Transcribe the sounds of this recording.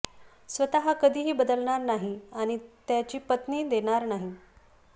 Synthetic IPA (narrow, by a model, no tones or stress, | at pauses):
sʋət̪aɦakəd̪ʱiːɦiːbəd̪əlɳaɾnaɦiaɽ̃it̪jat͡ɕiːpət̪niːd̪eɽ̃aɾnaɦi